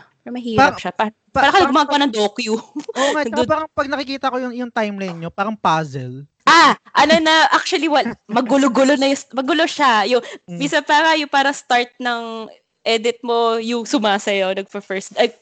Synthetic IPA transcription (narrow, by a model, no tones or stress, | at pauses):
mɐhiːɾɐpʃapa | paːɾɐkɐnɐɡʊmaːɡɐwɐnɐŋd̪oːkjʊoŋapaːɾɐŋpɐɡ̚nɐkɪkiːt̪ɐkojʊŋjʊŋt̪ajmlajnɲopaːɾɐŋpaːzɛl | ʔaʔɐnonɐʔak̚t͡ʃʊɐliwɐlmɐɡʊloɡʊlonɐjʊmɐɡʊloʃajʊmisɐnpaɾɐjʊŋpaːɾɐst̪aɹt̪̚nɐŋ | ʔɛd̪ɪt̪̚mo̞jʊŋsʊmaːsɐjonɐɡ̚pɐfɛɹsɐ